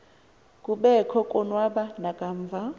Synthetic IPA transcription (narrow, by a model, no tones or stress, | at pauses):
kʼuɓɛkʰɔkʼɔnwaɓanakʼaːɱvʱa